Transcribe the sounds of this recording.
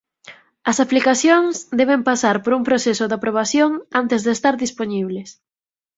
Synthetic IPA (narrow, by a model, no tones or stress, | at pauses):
ɐsaplikaθjoŋsd̪ɛβ̞empasaɾpoɾumpɾoθesʊd̪apɾoβ̞aθjoŋant̪ezðest̪aɾðisponiβ̞les